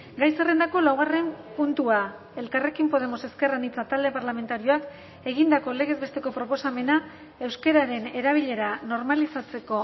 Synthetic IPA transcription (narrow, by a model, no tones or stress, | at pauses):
ɡajse̞re̞nd̪ako̞lawɣare̞mpunt̪ua | e̞lkare̞kimpo̞ð̞e̞mo̞se̞ske̞ranit͡sat̪ald̪e̞paɾlame̞nt̪aɾio̞ak | e̞ɣind̪ako̞le̞ɣ̞e̞zβe̞st̪e̞ko̞pɾo̞po̞same̞na | e̞wske̞ɾaɾe̞ne̞ɾaβiʎe̞ɾano̞ɾmalisat͡se̞ko̞